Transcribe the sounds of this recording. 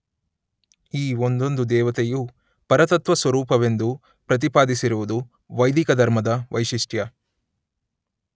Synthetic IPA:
iːond̪o̞nd̪ud̪ɛːʋɐt̪eju | pɐɾɐt̪ɐt̪ʋɐsʋɐɾuːpɐʋe̞nd̪u | pɾɐt̪̬ipaːd̪isiɾuʋud̪u | ʋɐjd̪ikɐd̪ʱɐɾmɐd̪ɐʋɐ̰jʃiʂʈjɐ

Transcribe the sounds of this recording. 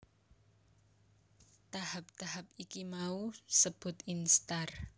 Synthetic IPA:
t̪ahap̚t̪aɦapikimausəb̥ʊ̤t̪inst̪ar

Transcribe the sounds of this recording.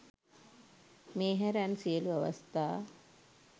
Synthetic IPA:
meːɦæɾansijəluaʋa̰st̪aː

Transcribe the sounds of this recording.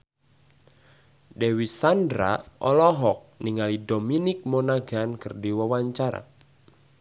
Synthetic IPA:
dɛwisandɾa̰ʔɔ̰lɔɦɔk̚niŋalidominɪk̚monaɡankɨrdiwawaɲt͡ʃaɾa̰

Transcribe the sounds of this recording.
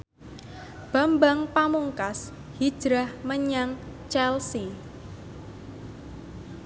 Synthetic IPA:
b̥a̤mbaŋpamuŋkas | hid̥ʒ̥ɾahməɲaŋt͡ʃɛlsi

